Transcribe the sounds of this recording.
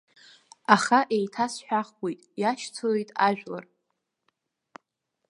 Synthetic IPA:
aχaʔejtʰasħʷᶣaχɡojtʼjaʃt͡sʰolejtʼaʒᶣla̰r

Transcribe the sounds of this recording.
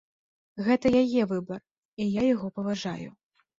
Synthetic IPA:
ɣɛt̪ɐjajɛvɨbɐr | ijajaɣɔpɐvaʐa̰jṵ

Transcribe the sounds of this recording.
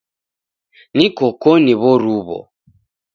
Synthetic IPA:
nikɔkɔniβɔɾuβɔ̰

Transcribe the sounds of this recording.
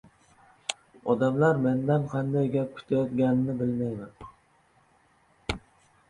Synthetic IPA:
ɒd̪amlaɾme̞nd̪anqʰɑnd̪ajɡʲap̚kʲʰʊ̥t̪ʰajɒt̪ɡʲanɪnɪbɪlmajmɪn

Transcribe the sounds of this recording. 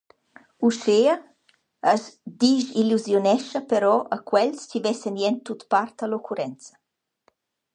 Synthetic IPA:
uʃeːə | əzd̪iʃiluzjonɛʃəpəɾɔʔəkwɛlst͡ʃivɛsənjɛnt̪ːut̪part̪əlokʰuɾɛnt͡sə̥

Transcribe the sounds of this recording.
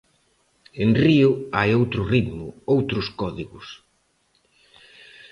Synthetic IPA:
enriʊajowt̪ɾʊrit̪mʊowt̪ɾʊskɔðiɣʊs

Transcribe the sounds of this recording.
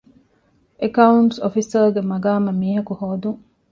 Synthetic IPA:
ʔekɐuɳʈsofisɐɾɡemɐɡaːmɐmiːɦɐkuhoːd̪uŋ

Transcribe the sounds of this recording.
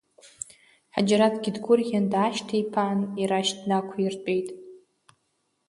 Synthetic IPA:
ħa̰d͡ʒaɾatʰɡʲidɡʷʊrɡʲandaːʃtʰejpʰaːniɾaʃtnakʷʰairt͡pʼe̞jtʼ

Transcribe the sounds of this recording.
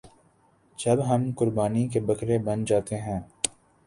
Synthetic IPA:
d͡ʒɐbɦɐmkʊɾbaːnikebɐkɾebɐnd͡ʒaːt̪eɦɛ̃ː

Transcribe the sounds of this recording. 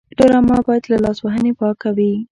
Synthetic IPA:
ɖoɾamɑbɑjad̪lalɑswaɦənepɑkawi

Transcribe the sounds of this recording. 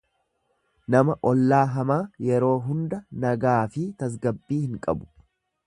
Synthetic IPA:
nɐmɐʔɔlːaːɦɐmaːjɛɾo̞ːɦʊnd̪ɐnɐɡaːfɪt̪ɐs̬ɡɐbːiːhɪŋkʼɐ̰bʊ̥

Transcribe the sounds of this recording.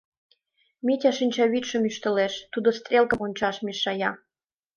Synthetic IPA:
mitʲɑʃinʲt͡ɕɑβit̪ʃə̆myʃt̪ə̆leʃt̪ud̪ost̪rʲelˠkəmonʲt͡ɕɑʃmeʃɑjɑ

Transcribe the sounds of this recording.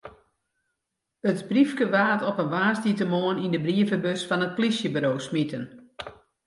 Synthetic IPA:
ətbrifkəʋaːtɔpənʋaːstitəmoənindəbriəvəbøsfɔnət̚plisjəbəɾoːsmitən

